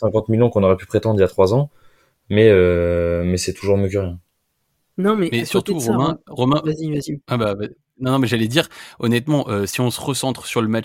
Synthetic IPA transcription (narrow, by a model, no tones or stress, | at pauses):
sɛ̃kɑ̃t̪milɔ̃kɔ̃nɔʁɛpypχet̪ɑ̃d̪ʁiljat̪χwazɑ̃ | mɛømɛsɛt̪uʒuʁmjøkʲøʁjɛ̃ | nɔ̃mɛmɛsyʁt̪uʁɔmɛ̃ʁɔmɛ̃vazivaziababa | nɔ̃nɔ̃mɛʒalɛd̪iʁɔnɛt̪mɑ̃ʔøsiɔ̃sə̥ʁəsɑ̃t̪χsyʁləmat͡ʃ